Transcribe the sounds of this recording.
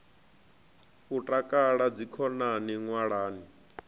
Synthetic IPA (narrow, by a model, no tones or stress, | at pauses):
utʼakʼaɺad͡zikʰɔnaniŋwaɺaːni